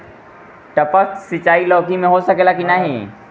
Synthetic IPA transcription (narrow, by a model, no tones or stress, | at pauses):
ʈɐpəksɪt͡ʃaːilɔːkimẽɦosɐkeːlakinaɦeː